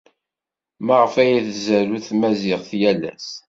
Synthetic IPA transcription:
maʁəfæjæθzæɾuθmæzɪʁθjælæ̰s

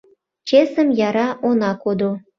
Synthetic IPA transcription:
t͡ɕesə̆mjɑɾɑʔonɑkod̪o

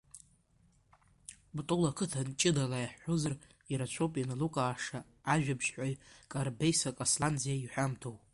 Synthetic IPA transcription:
btʼʊlakʰɨtʰant͡ʃʼɪdalajaħːozar | iɾat͡ʃʷʰowpʼijanalukʼaːʂaː | ʒᶣabʰʃħʷajkʼarbejsakʼasland͡zijaiħʷᶣamtʰowpʼ

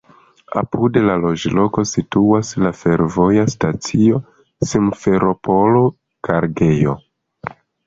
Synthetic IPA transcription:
a̰pude̞lalo̞d͡ʒlo̞ko̞situaslafe̞ɾvo̞jastat͡sio̞ | simfe̞ɾʔo̞po̞lo̞ | kʰaɾɡe̞jo̞̰

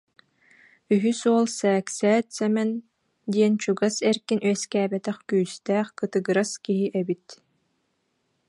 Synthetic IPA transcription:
yɦysuɔlˠsɛːksɛːt̪sɛmɛn | d̪iɛnt͡ɕuɡasɛɾkinyɛskæːbɛt̪ɛχkyːst̪æːχkɯt̪ɯɡɯɾaskiɦiʔɛbit̪

